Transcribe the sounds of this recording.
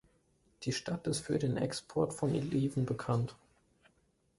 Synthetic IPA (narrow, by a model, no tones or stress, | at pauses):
d̥iːʃtatɪstfyːɐdeːnʔɛ̰kspʰɔɐtfɔnʔḭliːvn̩bəkʰant